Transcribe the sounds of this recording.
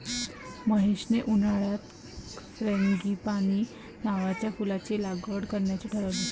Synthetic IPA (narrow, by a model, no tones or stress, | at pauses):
məɦeɕneʔunaɭat̪ | ɾẽŋɡiːpaɽ̃iː | naʋat͡ɕjakulat͡ɕelaɡəɽkəɾɳjat͡ɕeʈʰəɾad̪i